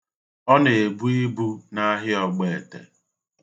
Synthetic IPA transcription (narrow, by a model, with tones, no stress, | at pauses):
ɔ˦ne˨e˨bu˦i˦bu˦na˦ɦɪ˦ɔ˨ɡ͡be˨e˨tḛ˨